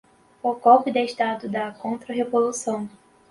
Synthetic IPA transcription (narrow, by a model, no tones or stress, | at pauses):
okɔpid̪ɐeʃt̪ad̪ʊd̪ɐkõnt̪ɾɐɦevolusɐ̃w̃